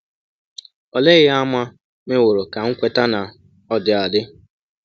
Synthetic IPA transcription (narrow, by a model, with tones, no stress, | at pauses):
ɔ˨le˦ɣɪ˦a˦ma˦ | me˦wʊ˨ɾʊ˨ka˨ŋ̩˦kʷe˦ta˦na˨ | ɔ˦dɪ˨a˨dɪ˦